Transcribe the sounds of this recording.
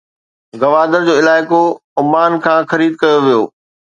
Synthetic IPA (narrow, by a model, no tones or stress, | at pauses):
ɡɐʋaːd̪ənd͡ʑoːɪlaːɪkoʊmaːnkʰãːxɐɾiːd̪̚kɐjoʋijoː